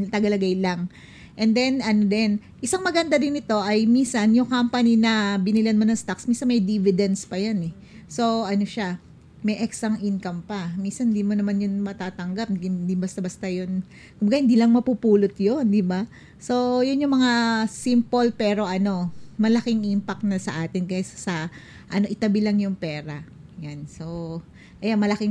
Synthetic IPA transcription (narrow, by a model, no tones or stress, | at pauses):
t̪ɐɡalɐɡajlaŋ | ʔɛnd̪ɛnɐnod̪ɛn | ʔɪsaŋmɐɡɐnd̪ad̪ɪnːɪt̪o̞ʔɐjminsɐnjʊŋkampɐninɐbɪnɪlɐnmonɐŋst̪aksminsɐnmɐjd̪ivɪd̪ɛnspɐjanɛ | so̞ʔɐno̞ʃa | mɐjʔɛksɐŋʔɪnkɐmpɐminsɐnhɪnd̪iːmo̞nɐmanjʊnmɐt̪aːt̪ɐŋɡap̪̚dind̪ɪmbɐst̪abɐst̪ajon | kʊmbɐɡahɪnd̪iːlɐŋmɐpupuːlot̪jond̪ɪba | so̞jʊnjʊŋmɐŋasimpolpɛːɾo̞ʔɐno̞mɐlɐkɪŋʔimpɐk̚t̪nɐsɐʔaːt̪ɪnkɐjassɐ | ʔɐno̞ʔɪt̪ɐbilɐŋjʊŋpɛːɾɐ | janso̞ | ʔɐjanmɐlɐkɪŋ